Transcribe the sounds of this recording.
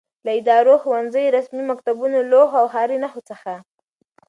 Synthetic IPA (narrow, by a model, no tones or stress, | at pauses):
laɪd̪ɑɾoxowanzəjɾasmimakt̪abunoloɦawɦɑɾinaxot͡səxa